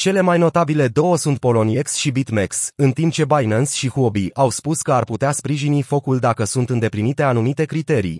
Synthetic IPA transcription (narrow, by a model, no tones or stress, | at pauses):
t͡ʃe̞le̞majno̞t̪abile̞d̪o̞wəsunt̪̚po̞lo̞nieksʃibit̪meksɨnt̪imp̚t͡ʃe̞bajnənsʃixobiʔawspuskəarput̪easpɾiʒinifo̞kuld̪akəsunt̪ɨnd̪e̞plinit̪e̞anumit̪e̞kɾit̪e̞ɾḭ